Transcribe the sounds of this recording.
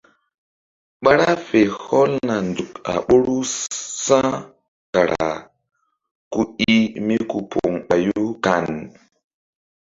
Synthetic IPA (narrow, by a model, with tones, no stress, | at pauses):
ɓa˦ɾa˦fe˨ho˦lna˨nd͡zu˨ka̰˨ɓo˦ɾu˦sã˦ | ka˨ɾʔa˨ | ku˨i˦mi˦ku˨pʰo˨ŋɓa˨juu˦ka˨n